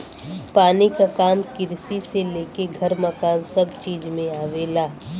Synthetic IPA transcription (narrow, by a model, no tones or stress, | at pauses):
paːnikakaːmkɪɾsiseleːkeɡʱɐɾməkaːnsɐbt͡ʃiːd͡ʒmẽaːʋelaː